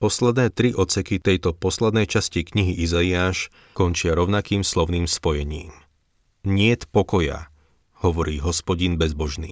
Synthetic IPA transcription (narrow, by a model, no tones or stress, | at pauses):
pɔslɛd̪nɛːt̪ɾiʔɔt̪sɛkit̪ɛjt̪ɔpɔslɛd̪nɛjt͡ʃascikɲiɦiʔizaiaːʃ | kɔnt͡ʃɪaɾɔʊnakiːmslɔʊniːmspɔjɛɲiːm | ɲɪɛt̪pɔkɔja̰ | hɔʋɔɾiːɦɔspɔɟinbɛzbɔʒnḭː